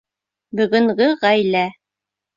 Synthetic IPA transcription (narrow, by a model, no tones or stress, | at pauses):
bɵ̆ɡɵ̆ŋɢɘʁæjlæ